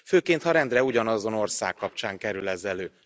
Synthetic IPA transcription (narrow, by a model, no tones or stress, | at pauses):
føːkeːnt̪hɒɾɛnd̪rɛuɟɒnɒzo̞no̞rsa̰ːkːɒp̚t͡ʃaːŋkɛɾylɛzɛløː